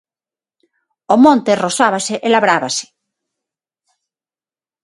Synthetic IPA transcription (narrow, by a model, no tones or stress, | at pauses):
omõnt̪erosaβaseʔelaβɾaβase̥